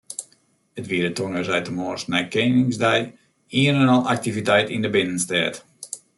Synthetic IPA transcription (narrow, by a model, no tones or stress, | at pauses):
ətʋiədətonəzɛjtəmoːstnɛjkeːnɪŋzdɛj | iənənɔlˠʔak̚tivitɛjtindəbɪnənstɛːt